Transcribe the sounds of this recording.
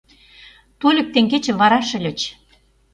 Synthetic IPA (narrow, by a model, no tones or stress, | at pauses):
t̪ulʲə̆k̚t̪eŋɡet͡ɕĕβɑɾɑʃə̆lʲɘ̆t͡ɕ